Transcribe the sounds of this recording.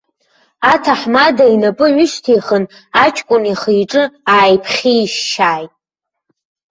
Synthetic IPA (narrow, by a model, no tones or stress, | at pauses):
atʰaħmadainapʼɨʕʷʊʃtʰejχən | at͡ʃʰʼkʷʼʊniχijʈ͡ʂʼɨaːjpʰχʲiʃːaːjtʼ